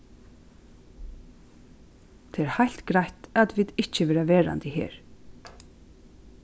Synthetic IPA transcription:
t̪ʰeɛːɾhajlt̪ɡɾajht̪at̪viːðɪht͡ʃɪʋɛːɾaʋeːɹa̰nt̪ɪhɛ̰ːɹ

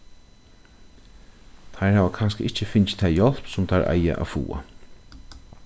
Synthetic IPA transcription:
t̪ʰajɹhaːʋakʰanskəʔɪht͡ʃəfɪnt͡ʃt̪ʰajjɔl̥psʊmt̪ʰaɹʔa̰ja̰ʔa̰ːfṵːa̰

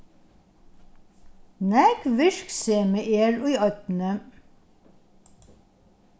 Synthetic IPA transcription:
nækʋɪʃkseːmeːʔeːɹuːɑt̪nə

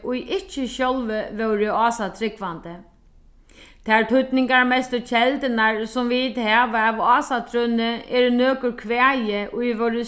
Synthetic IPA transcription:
ʔʊjʔɪt͡ʃːɪɕɔlʋəʋœwɾɪɑːsat̪ʰɾɪkʋant̪ə | t̪ʰaɾt̪ʰʊt̪nɪŋkaɹmɛst̪ɪt͡ʃʰɛlt̪ɪnaɹsʊmviːt̪hæːʋaːʋɑːsat̪ʰɾʏnɪɛːɾnøːkʏɾkʰʋɛːajɪʔʊjʋœwɾɪ

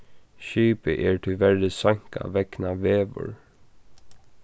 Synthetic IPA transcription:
ʃyːpəʔeːɹʈʰɪʋɛɾd̪əsɑŋka̰ʋɛknɑʋeːʋə̰ɹ

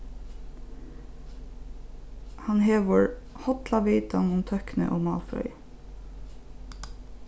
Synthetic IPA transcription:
hɑnheːʋəɹhɔt̪lɑʋeɪt̪ɑnʊmt̪ʰœknə̰ʔoːmɑ̰ːlfɾœ̰ʏ

